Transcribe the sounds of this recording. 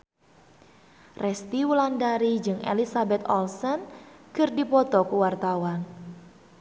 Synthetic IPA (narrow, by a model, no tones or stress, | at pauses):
rɛst̪iwulandaɾid͡ʒɨŋḛlisabɛt̪ɔlsɔnkɨrdipɔt̪ɔkuwart̪awan